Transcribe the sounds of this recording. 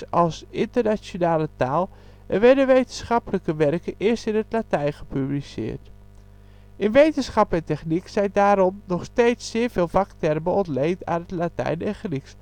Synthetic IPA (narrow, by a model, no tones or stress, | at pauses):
ɑlˠsɪntərnasjonaːlətaːlˠ | ɛʋɛdəʋejtənsχɑpələkəʋɛrkəʔɪəɹstɪnətlatɛjnχəpyblisɪ̰ːrt | ʔɪnʋejtənsχɑpɛ̃ntɛxniksɛjndaːɾɔmnɔχsteːtsːɪːɹvɪːlˠvaktɛrməɔntlejtʰa̰ːnətlatɛ̰jnɛxriks